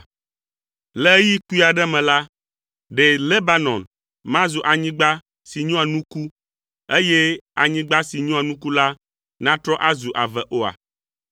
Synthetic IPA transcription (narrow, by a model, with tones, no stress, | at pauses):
lɛ˦ji˦ku˦i˦a˨ɖɛ˦mɛ̃˨la˦ | ɖe˨le˦ba˨nɔ̰̃˨n | mã˦zo˨ʔa˨ɲĩ˦ɡ͡ba˦ | si˨ɲɔ̃˦a˨nũ˦ku˦ | e˦jɛ˦a˨ɲĩ˦ɡ͡ba˦si˨ɲɔ̃˦a˨nũ˦ku˦la˦ | nã˦t̪ɾɔ˦ʔa˦zu˨ʔa˨vɛ˨ʔo˦a̰˨